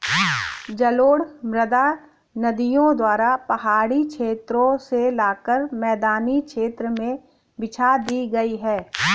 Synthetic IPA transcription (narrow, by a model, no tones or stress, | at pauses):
d͡ʒɐloːɽmɾəd̪a | nɐd̪ijõd̪waːɾapɐɦaːɽikʃʰeːt̪ɾõselaːkəɾmɛːd̪aːnikʃeːt̪ɾəmẽ | bɪt͡ʃʰad̪iːɡɐiɦɛː